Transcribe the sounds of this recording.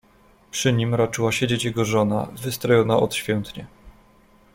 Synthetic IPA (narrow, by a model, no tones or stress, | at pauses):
pʂɘɲimɾat͡ʂɘwaɕed͡ʑet͡ɕjɛɡɔʐɔna̰vɘst̪ɾɔjɔnaʔɔt̪ɕfʲjɛnt̪ɲɛ